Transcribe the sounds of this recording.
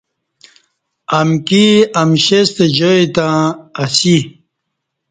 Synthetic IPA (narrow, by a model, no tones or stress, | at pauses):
ɐmkiɐmɕest̪ed͡ʑojt̪ãɐsi